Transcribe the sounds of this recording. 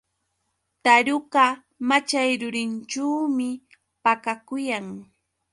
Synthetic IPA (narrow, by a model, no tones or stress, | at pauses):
t̪aɾʊɢa | mat͡ʃajɾʊɾɪnt͡ʃuːmɪ | pakakʊjaŋ